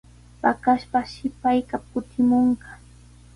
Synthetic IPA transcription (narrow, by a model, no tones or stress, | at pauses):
pakaʃpaʃɪpajkap̚kʊt̪ɪmoɴɢɑ̥